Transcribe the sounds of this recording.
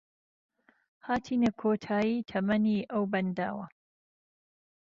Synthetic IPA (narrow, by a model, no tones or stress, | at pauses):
haːt̪ʰiːnɐkʰoːt̪ʰaːjiːt̪ʰɐmɐniːʔɐwbɐnd̪a̰ːwɐ